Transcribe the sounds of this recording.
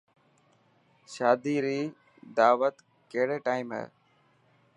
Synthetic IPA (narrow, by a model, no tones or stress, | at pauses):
ʃaːd̪iːɾiː | d̪aːʋət̪ | keɦɽeːʈaːɪmɦɛ̰ː